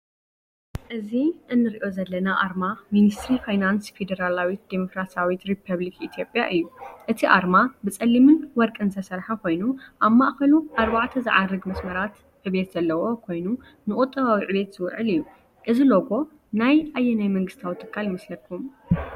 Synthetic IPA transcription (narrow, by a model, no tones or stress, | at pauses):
ʔɨziʔɨnːɨɾiʔo̞zɐlːɐnaʔaɾmaminist̪ɾifajnansfe̞d̪ɐɾalawit̪d̪emokɾasawit̪ɾipʰɐβlikit̪ʰijo̞pʼjaʔɨjːuʔɨt̪ʰiʔaɾmabɨt͡sʼɐlːimɨnwɔɾkʼɨnt̪ʰɐsɐɾħakʰo̞jnuʔaβmaʔxɐluʔaɾbaʕt̪ʰɐzɨ̰ʕarːɨɡmɐsmɐɾat̪ | ʔɨβe̞t̪zɐlːɐwo̞kʰo̞jnu | nɨkʼut̪ʼːɐβawiʕɨβet̪z̥ɨw̰ʕɨlɨjːu | ʔɨziloɡo̞ | najʔajːɛnajmɐŋɡɨst̪ʰawit̪ʰʼɨkʰːaljɪmɐslɐlkʰum